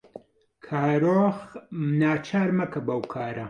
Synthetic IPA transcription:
kʰaːɾoːxmnaːt͡ʃʰaːɾmɐkɐbɐwkʰaːɾʔɐ

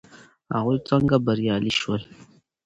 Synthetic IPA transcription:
a̰ɣut͡saŋɡabaɾjaliʃwal

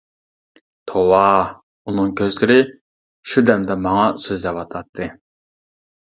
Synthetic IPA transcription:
t̪ʰowɑ | unɨŋkʲʰøzlɪɾɪ | ʃud̪ɛmd̪ɛmɑŋɑsøzd̪ɛwɑt̪ʰɑt̪ʰːɨ

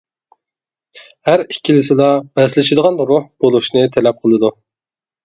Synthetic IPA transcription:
hæɾikʲʰːilɪsɪlˠɑbɛslɪʃɪd̪əʁɑnɾʊhb̥olˠuʃnɨt̪ʰɛlɛp̚qʰəlˠɨd̪u

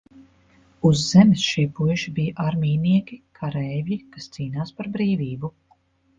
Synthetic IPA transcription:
uzːɛmɪsʃiɛpujʃibijaʔaɾmʲiːniɛkʲikʰaɾɛjvʲjikast̪siːnaːspaɾbɾiːviːbu

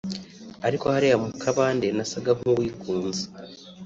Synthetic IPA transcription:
aɾiko̞haɾejamukʰaβaːnde̞nasaɡamuβwiːkuːnze̥

